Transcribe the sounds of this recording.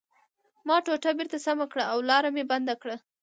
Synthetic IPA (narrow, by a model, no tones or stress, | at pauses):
mɑʈoʈabeɾt̪asamakɽaawlɑɾameband̪akɽa